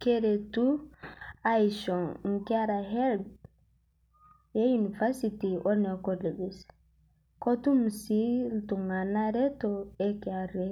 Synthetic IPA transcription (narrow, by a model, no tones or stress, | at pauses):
keɾetu | ajʃɔŋŋkaɾaɦɛld | jejunifaɾsitiʔɔɾnekolebis | kotumsiltuŋanaɾetoekaɾe